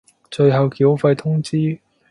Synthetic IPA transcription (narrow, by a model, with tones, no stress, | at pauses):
t͡ʃɵ˧ɥɦɐ˨wkiː˨˥wfɐ˧jt̪ʰʊ˥ŋt͡siː˥